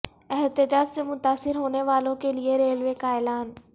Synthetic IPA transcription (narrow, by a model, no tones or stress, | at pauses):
ɛɦt̪ɪd͡ʑaːd͡ʑsemʊt̪aːsɪɾɦoːneʋaːlõkelieɾeːlʋekaːɪlaːn